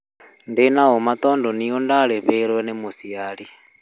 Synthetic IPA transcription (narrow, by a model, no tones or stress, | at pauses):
ndenaomat̪ɔndɔniondaleβɛɾwɛnemusiali